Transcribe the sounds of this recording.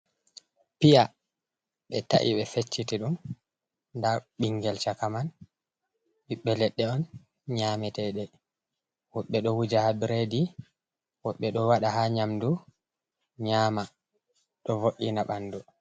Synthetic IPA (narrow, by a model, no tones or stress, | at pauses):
pija | ɓɛ̰ta̰ʔḭɓɛfet͡ʃːitiɗum | ndaɓiŋɡɛlt͡ʃakaman | ɓiɓːɛlɛɗːɛɔn | ɲaːmɛtɛɗɛ | wɔɓːɛɗɔwud͡ʒahabiɾedi | wɔɓːɛɗɔwaɗahaɲamdu | ɲaːma | ɗɔvoʔːinaɓandɔ